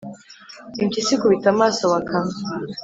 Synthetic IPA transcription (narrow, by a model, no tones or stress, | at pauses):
imcisikuβitamasowakʰa